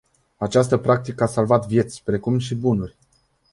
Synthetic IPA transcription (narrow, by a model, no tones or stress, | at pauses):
at͡ʃast̪əpɾak̚t̪ikəasalvat̪vje̞t̪sʲpɾe̞kumʃibunurʲ